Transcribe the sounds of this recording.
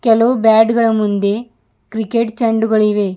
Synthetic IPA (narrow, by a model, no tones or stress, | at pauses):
kɛloːbaːɖɡɐɭɐmund̪e | kɾikeʈt͡ʃɐɳɖuɡɐɭiʋeː